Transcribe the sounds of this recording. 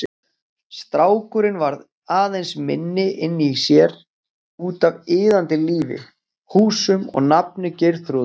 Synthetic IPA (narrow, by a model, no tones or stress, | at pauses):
st̪ɾaːwkʏɾɪnvaɾð | aːðejnsmɪ̰nːɪʔɪnːiisjɛɾ̥ | uːt̪avɪːðant̪ɪliːvɪ̰ | huːsʏmɔ̰ɣnap̚nʏcejɾθɾu